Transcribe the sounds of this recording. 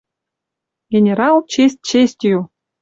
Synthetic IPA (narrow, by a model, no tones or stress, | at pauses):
ɡʲenʲeɾɑlˠt͡ɕesʲt̚ʲt͡ɕesʲtʲju